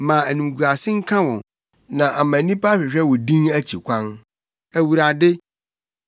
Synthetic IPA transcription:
mã˨æ˨nũ˨m˨ɡu˨ɾa˨sɪ˦ŋ̩˦kʰã˦wɔ̃˨ | nã˨ʔa˨mã˨nĩ˦pa˦ɕᶣɪ˨ɕᶣɛ˦wɔ˨dĩ˦næ˦t͡ɕʰi˨kʷʰã˦n | æ˨wu˨ɾa˨dɪ˦

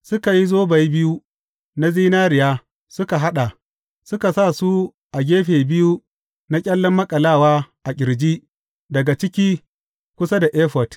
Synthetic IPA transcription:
sʊ˦ka˨ji˦zoː˦ba˨ji˦bɪ˦ju˦ | na˦ziː˦naː˦ɾɪ˨jaː˦ | sʊ˦ka˨ɦa˦ɗa˨ | sʊ˦ka˨saː˦˨su˦ | ʔa˨ɡʲeː˦ɸeː˨bɪ˦ju˦ | na˦kʲʼɐ˦lːɐ˦mːɐ˦kʼɐ˨laː˦˨waː˦ʔa˨kʲɪ˨ɾd͡ʒiː˦ | dɐ˨ɡa˨t͡ʃɪ˦kʲiː˦ | kʷʊ˦sa˦da˨ʔeː˦ɸɔ˨t

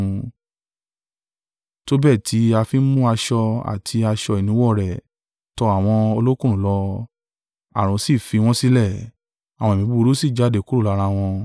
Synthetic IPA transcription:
to˦bɛ˦˨tʰi˨˦a˧fi˦mũ˦a˧ʃɔ˧a̰˨tʰi˧a˧ʃɔ˧i˨nĩ˨˦wɔ˦˨ɾɛ˨ | tɔ˧a˦˨w̃ɔ̃˧o˧lo˦kũ˦˨ũ˨˦lɔ˧ | a˨ɾ̃ũ˨si˦˨fi˧w̃ɔ̃˦si˦lɛ˦˨ | a˨w̃ɔ̃˨mĩ˨˧˦bu˧ɾo˦si˦˨d͡ʒa˨˦˨de˨ku˦ɾo˦˨la˨˧˦ɾa˧w̃ɔ̃˧

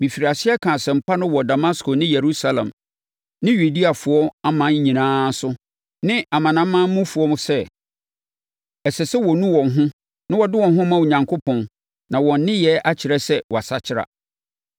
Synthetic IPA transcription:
mĩ˨fi˨ɾi˨a˨sɪ˦ɛ˦kʰã˨sɛ̃˨m̩˨pʰa˦nʊ̃˦wɔ˨da˨ma˦skʰo˨nɪ̃˦je˨ɾu˦sa˦lɛ̰̃˨m | nɪ̃˦ɥu˨di˦a˨fʊ˨˦ɔ˦a˦mã˨˦ɲ̩˦ɲĩ˨nãː˦sʊ˦ | nɪ̃˦a˨mã˨nã˨˦mã˦mũ˦fʊ˨ɔ˦mʊ̃˨sɛ˦ | ɛ˨sɛ˨sɛ˦wɔ˨nũ˦wɔ̃˨nɦʊ̃˦ | nɪ̃˦wɔ˨dɪ˦wɔ̃˨nɦʊ̃˦mã˦wu˨ɲã˨ŋkʰo˦pʰɔ̃˨n | nã˨wɔ̃˨n̩˦nɪ̃˦jɛ˨˦ʔa˦t͡ɕʰɪ˨ɾɛ˦sɛ˦wɔ˨a˨sa˦t͡ɕʰɪ˦ɾa̰˨

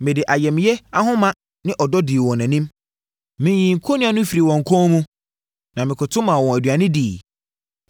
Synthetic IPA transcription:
mɪ̃˨dɪ˨ʔa˨jɛ˨mɪ̃˨jɛ˦a˦ɦʊ̃˦mã˦ | nɪ̃˦ʔɔ˨dɔ˦di˨wɔ̃˨nɛ̃˨nɪ̃˦m | mɪ̃˨jĩ˨ŋ̩˨kʰo˦nʊ̃˦a˨nʊ̃˦fi˨ɾi˨wɔ̃˨ŋ̩˨kʰɔ̃˦mũ˦ | nã˨mɪ̃˨kʰʊ˨tʰʊ̃˦mã˨wɔ̃˨æ˨dɥa˨nɪ̃˦diː˨

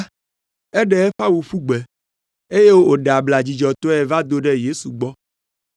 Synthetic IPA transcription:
ɛ˦ɖɛ˦ɛ˦ɸa˦wu˨ɸu˦ɡ͡bɛ˨ | e˦je˦wo˦o˦ɖa˨bla˨d͡ʑi˨d͡ʒɔ˨t̪ɔ˦ɛ˨va˦d̪o˦ɖɛ˦je˦su˨ɡ͡bɔ˦

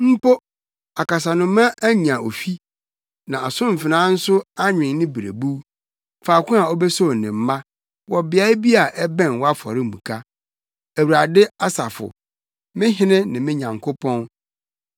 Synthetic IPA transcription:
m̩˦po˦ | a˨ka˨s̬a˨nʊ̃˨mã˦ʔæ˦ɲĩ˨a˨o˨fi˦ | nã˨a˨sʊ̃˦m̩˨fɪ˨nã˦n̩˦sʊ˦a˦ɲᶣɪ̃˨nnɪ̃˦bi˨ɾḛ˨bu˦ | faː˨kʰʷʊ̃˦a˨ɔ˦bɛ˦so˦˨nɪ̃˨m̩˦mã˦ | wɔ˨bɪ˨a˦ɪ˦bi˦a˨ʔɛ˦bɛ̃˦˨nwɔ˦a˦fɔ̰˨ɾɪ˦˨mũ˨kʰa˦ | æ˨wa˨dɪ˦a˦sa˨fʊ̰˨ | mɪ̃˦ɦɪ̃˦nɪ̃˦nɪ̃˨mɪ̃˦ɲã˨ŋkʰʊ˦pʰɔ̃˦n

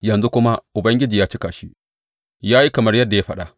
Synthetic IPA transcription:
jɐ˨nzu˦kʷʊ˦ma˦ʔʊ˨bɐ˦ŋɡʲɪ˦d͡ʒiː˨jaː˦t͡ʃi˦ka̰ː˨ʃi˦ | jaː˦ji˦kɐ˨mɐ˦rjɐ˦dːa˨ja˦ɸɐ˦ɗa˨ʔ

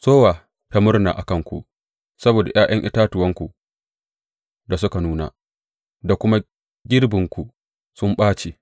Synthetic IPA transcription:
soː˦waː˨ | ta˦mʊ˦rna̰ː˨ʔa̰˨kɐ˦˨ŋkʷṵ˨ʔ | sɐ˦boː˨da˨j̰ʔaː˦j̰ɐ˦ŋʔɪ˦taː˦tʊ˨wɐ˦ŋkʷu˨ | da˨s̬ʊ˦ka˨nuː˦na̰ː˨ | da˨kʷʊ˦ma˦ | ɡʲɪ˦rbɪ˨ŋkʷu˨ | sʊ˦mɓaː˦t͡ʃeː˨

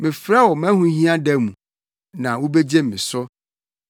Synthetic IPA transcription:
mɪ̃˨fɾa˦wɔ˨mɛ̃˦hũ˦ɦĩ˦ã˦dɛ˦mũ˨ | nã˨wo˦be˦d͡ʑe˦m̩ː˨ɪ̃˨sɔ˦

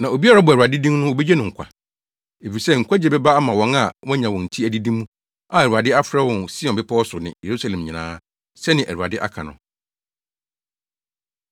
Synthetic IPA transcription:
nã˨o˨bi˦a˦ɾa˦bʊ˨æ˨ɾa˨dɪ˦dĩ˦m˦nʊ̃˦wo˨be˦d͡ʑɛ˦nɪ̃˨ŋ̩˨kʰʷa̰˨ | e˨fi˨sɛ˦ŋ̩˨kʷa˦d͡ʑɛ˨bɛ˦ba˦a˦mã˨wɔ̃˨˦na˨wɔ̃˦ɲã˨wɔ̃˨n̩˨tʰi˦æ˨di˦dĩ˦mːũ˦ | a˨æ˨ɾu˨a˨dɪ˦a˦fɾɛ˦wɔ̃˨nsi˦ɔ̃˨bɪ˦pʰɔ˦ɔ˦sʊ˨nɪ̰̃˨je˨ɾu˦sa˦lɛ̃˨mɲĩ˨nã̰ː˦ | sɛ˦nɪ̃˨ʔæ˨ɾu˨a̰˨dɪ˦ʔa̰˦kʰã̰˨nʊ̰̃˨

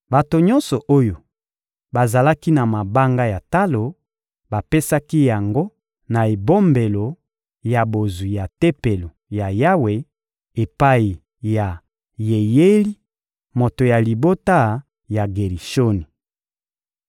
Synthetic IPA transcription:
ba˨to˨ɲɔ̃˦nsɔ˨ʔo˦jo˨ | ba˨za˨la˦ki˦na˨ma˨ba˦ŋɡa˦ja˨ta˦lo˨ | ba˨pe˦sa˦ki˦ja˨ŋɡo˦ | na˨e˨bo˦mbe˨lo˨ | ja˨bo˨zu˨ja˨te˦pe˨lo˨ja˨ja˦we˨ | e˨pa˦i˨ | ja˨ | je˨je˦li˦ | mo˨to˨ja˨li˨bo˦ta˦ | ja˨ɡe˨ʁi˨ʃo˦ni˨

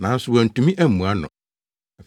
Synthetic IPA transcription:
nã˨˦n̩˦sʊ˨wɔ˨n̩˨tũ˨mĩ˦ʔæ˦m̩˨mũ˨a˦nʊ̰̃˨ | ɛ˨f

